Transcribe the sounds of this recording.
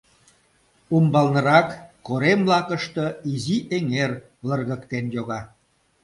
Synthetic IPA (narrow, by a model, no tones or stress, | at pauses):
umbɑlnə̆ɾɑkːoɾemblɑkəʃt̪əiziʔeŋer | lərɣəkt̪enjoɣɑ